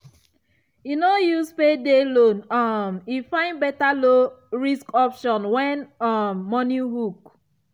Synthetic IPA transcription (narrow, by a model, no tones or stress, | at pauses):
jinojuzpedelonɔmifãɪ̃nbɛtaloɹiskɔpʃɔ̃nwɛ̃nɔmːɔniɦuk